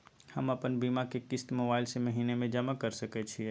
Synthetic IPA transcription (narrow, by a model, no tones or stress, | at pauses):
həməpənbiːmakekɪst̪moːbaːɪlsemɐɦiːnemẽd͡ʒəmakəɾsɐket͡ʃʰiɛ